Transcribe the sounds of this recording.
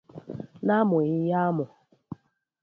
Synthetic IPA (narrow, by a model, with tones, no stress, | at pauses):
na˦mʊ˨ɣɪ˦ja˦mʊ˨